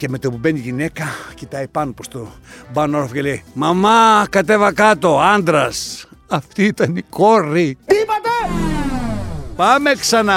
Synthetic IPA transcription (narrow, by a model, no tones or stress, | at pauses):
ceme̞t̪opubeniʝine̞kɐcit̪ɐipɐnopost̪obɐnooɾofoceleimɐmɐkɐt̪e̞vɐkɐt̪o̞ɐnd̪ɾɐsɐft̪iit̪ɐnikoɾit̪ipɐt̪ɐ | pɐme̞ksɐnɐ